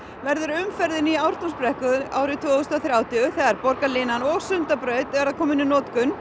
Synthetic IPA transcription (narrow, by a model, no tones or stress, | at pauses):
vɛɾðʏɾʏmfɛɾðɪniaːwɾ̥t̪ɔmspɾɛhkʏaːwɾɪt̪ʰvɔːɣʏst̪ɔθɾjaːwt̪ɪʏθɛðaɾpɔɾkalɪnanɔɣsʏnt̪apɾœːɥt̪ɛɾaðkʰɔːmɪnɪnɔːt̪kʏn